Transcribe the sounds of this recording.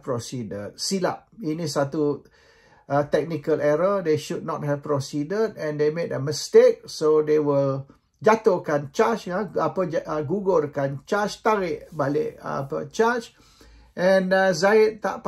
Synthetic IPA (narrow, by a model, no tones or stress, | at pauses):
pɹɔsidə̰d̚sila̰p̚inisat̪u | at̪ɛk̚nikəlɛɹədeʃud̚nɔt̚ɦɛv̥pɹɔsidədɛ̃ndemedəməstek̚sodewəl | d͡ʒat̪okant͡ʃat͡ʃaapəd͡ʒɡuɡəlkant͡ʃat͡ʃt̪aɾɪʔbalɪ̰ʔpə̰t͡ʃat͡ʃ | ʔɛ̃nzaɪt̚t̪a̰ʔp